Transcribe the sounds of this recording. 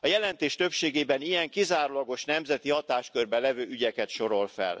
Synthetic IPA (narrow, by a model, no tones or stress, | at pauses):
ɒjɛlɛnt̪eːʃt̪ø̞pʃeːɡeːbɛnijɛŋkizaːɾulɒɡo̞ʃnɛmzɛt̪ihɒt̪aːʃkørbɛlɛvøːʔyɟɛkɛt̪ʃo̞ɾo̞lfɛ̰l